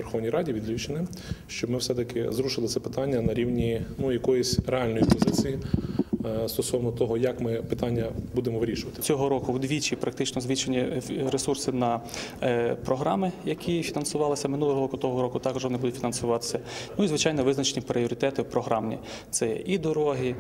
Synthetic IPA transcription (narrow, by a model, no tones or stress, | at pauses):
ʋerxɔʋnʲijɾɑdʲiʋʲid̪ʲlʲut͡ʃɪnɪ | ʃt͡ʃɔbmɪwsɛt̪ɐkɪzɾuʃɪlˠɪt̪sɛpɪ̥t̪ɑnʲːɐnɐɾʲiwnʲinujɐkɔjʊsʲɾeɑlʲnɔjipɔzɪt͡sʲiji | st̪ɔsɔwnɔt̪ɔɦɔjɐkmɪpɪt̪ɑnʲːɐbud̪emɔʋeɾʲiʃʊʋɐt̪ɪ̥t͡sʲɔɦɔɾɔkʊwd̪ʲʋʲit͡ʃipɾɐkt̪ɪt͡ʃnɔzʋʲit͡ʃenʲːiɾesursɪnɐ | pɾɔɦɾɑmɪjɐkʲifʲinɐnsʊʋɑlˠɪsʲɐmɪnulˠɔɦɔɾɔkʊt̪ɔɦɔɾɔkʊt̪ɑkɔʒʋɔnɪbud̪ʊtʲfʲinɐnsʊʋɑt̪ɪ̥sʲɐnʊizʋɪt͡ʃajnɔʋɪznɐt͡ʃenʲipɾʲɪɔɾʲɪt̪ɛt̪ɪwpɾɔɦɾɑmnʲḭ | t̪sɛjɛ̰ʔid̪ɔɾɔɦi